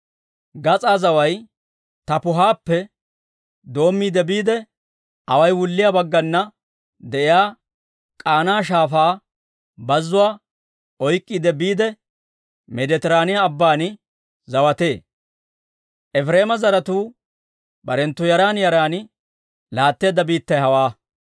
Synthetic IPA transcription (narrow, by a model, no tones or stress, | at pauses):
ɡɐt͡sʼaːzɐwɐj | t̪ɐpʊɦaːpːɛ | d̪o̞ːmːiːd̪ɛbiːd̪ɛ | ʔɐwɐjwʊlːɪjabɐɡːɐnːɐ | d̪ɛʔɪjaː | kʼaːnaːʃ̬aːfaː | bɐzːʊwaː | ɔjkʼːiːd̪ɛbiːd̪ɛ | mɛd̪ɛt̪ɛɾaːnɪjaːbːaːn | zɐwɐt̪e̞ː | ʔɛfɾe̞ːmɐzɐɾɐt̪uː | bɐɾɛnt̪ːʊjɐɾaːnjɐɾaːn | laːt̪ːeːd̪ːɐbiːt̪ːɐjɦɐwaː